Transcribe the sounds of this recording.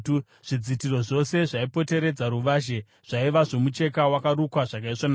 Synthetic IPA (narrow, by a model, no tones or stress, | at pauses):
ʐ̥id͡zitiɾo̞ʐo̞se̞ʐaipo̞te̞ɾe̞d͡zaɾuʋaːʒe̞ | ʐ̥aiʋaʐo̞mut͡ʃe̞kawakaɾukwaʐak̬aiʐona